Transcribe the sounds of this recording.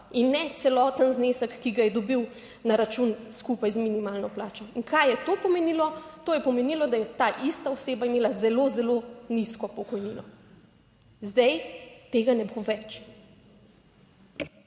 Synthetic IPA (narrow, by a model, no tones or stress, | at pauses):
inːɛt̪sɛlɔːt̪ənzneːsəkːiɡajɛd̪ɔbiw | naɾat͡ʃunskupajzminimaːlnɔplaːt͡ʃɔiŋkajɛt̪opɔmenilɔt̪oːjɛpɔmeniːlɔd̪ajɛt̪aʔist̪aoseːbaimeːlazɛloːzɛloniskɔpɔkɔjninɔ | zd̪ɛjt̪eːɡanɛboʋɛt͡ʃ